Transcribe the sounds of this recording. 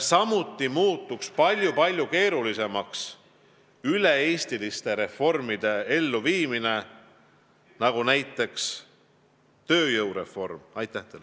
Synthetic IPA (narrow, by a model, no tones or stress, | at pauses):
sɑmut̪ːˑimuːt̪ːˑukspɑlʲjupɑlʲjuke̞ːɾulise̞mɑks | yle̞eːst̪ilist̪e̞ɾe̞fo̞rmid̪̥e̞e̞lːuviːmine̞ | nɑɡ̥unæjt̪ːˑe̞ks | t̪ø̞ːjɤwɾe̞fo̞rmɑjt̪ːˑæht̪el